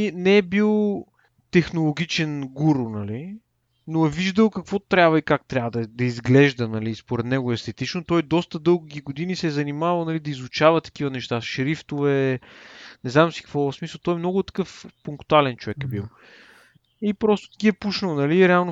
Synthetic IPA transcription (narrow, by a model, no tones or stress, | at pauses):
inɛːbilˠ | t̪ɛxnolˠoɡ̟ʲit͡ʃɛnɡuɾʊnɐli | noɛviʒd̪əlˠkɐkvɔt̪ɾʲabvəikak̚t̪ɾʲjavəd̪ɐd̪ɐizɡlɛʒd̪ənɐliːspoɾɛt̪nɛɡʊɛst̪ɛt̪it͡ʃnot̪ɔjd̪ɔst̪əd̪ɤlˠɡuɡiɡod̪inisɛzɐnimavəlˠnɐlid̪ɐizʊt͡ʃavɐt̪ɐ̥k̟ivənɛʃt̪aʃɾift̪ovɛ | nɛznamsi̥kə̥kvɔsmislˠt̪ɔjɛmnɔɡʊt̪ːɐ̥kɤfpʊŋkt̪ualɛnt͡ʃovɛkɛbilˠ | ipɾɔst̪ʊ̥t̪ɐ̥kʲiɛpuʃnəlˠnɐliːɾɛalˠno